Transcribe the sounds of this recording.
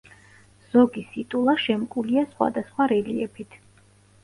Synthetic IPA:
z̥ɔɡisit̪ʼulˠaʃɛmkʼuliasχwa̰d̪asχwaɾɛliɛpʰit̪ʰ

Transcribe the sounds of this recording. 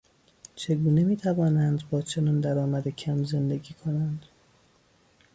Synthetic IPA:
t͡ʃʰe̞ɡuːne̞miːt̪ʰævɒːnænd̪bɒːt͡ʃʰe̞nɒːnd̪æɾɒːmæd̪ecʰæmze̞nd̪e̞ɡiːkʰo̞nænd̪̥

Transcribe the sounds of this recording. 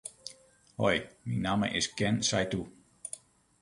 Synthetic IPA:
hɔjminːamə̰ʔɪsɡ̥ɛnsajdu

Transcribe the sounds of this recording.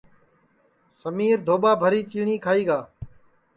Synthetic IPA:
səmiːɾd̪ʱoːɓaːbʱəɾiːt͡ʃiːɳ̃iːkʰaːiːɡaː

